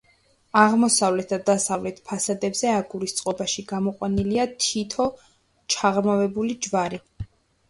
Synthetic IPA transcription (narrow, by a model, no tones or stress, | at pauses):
aʁmɔsavlɛt̪̚ʰd̪ad̪asavlɛt̪ʰpʰasad̪ɛbzɛaɡuɾist̪sʼqʼɔbaʃiɡamɔqʼwaniliat̪ʰit̪ʰɔ | t͡ʃʰaʁɾmavɛbulid͡ʒvaɾi